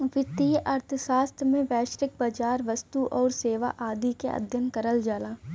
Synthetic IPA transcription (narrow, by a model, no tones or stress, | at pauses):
ʋɪt̪iːʔɐɾt̪ʰəʃaːst̪ʰmẽʋɛːʃɾɪk̚bad͡ʒaːɾʋɐst̪uʔɔːɾseːʋa̰ʔaːd̪ikḛɐ̰d̪ʱjənkɐɾəld͡ʒaːlaː